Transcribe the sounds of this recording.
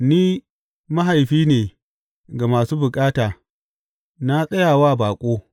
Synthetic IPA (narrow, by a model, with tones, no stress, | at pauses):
niː˦ | ma˦ɦa˨jɸiː˦neː˨ | ɡa˨maː˨suː˦bʊ˨kʼaː˦taː˨ | na˦sʼɐ˦jaː˨waː˦˨baː˨kʷʼoː˦